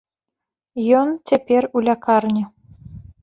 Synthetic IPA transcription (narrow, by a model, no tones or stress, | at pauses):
jɔnt͡sʲepʲerulʲakarnʲi